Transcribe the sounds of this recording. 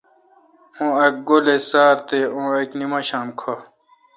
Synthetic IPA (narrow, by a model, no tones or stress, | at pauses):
õːek̚ɡolesaːɾt̪eõːeknimɐɕaːmkʰo